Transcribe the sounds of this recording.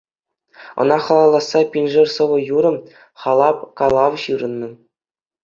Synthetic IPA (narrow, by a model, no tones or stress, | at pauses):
ɤ̰̆nɑχɑlˠɑlˠːɑsːɑpʲinʲʐɘ̆rʲsɤ̆ʋɤ̆juɾɤ̆m | χɑlˠɑpkɑlˠɑʋɕɯɾɤ̆nːɤ̆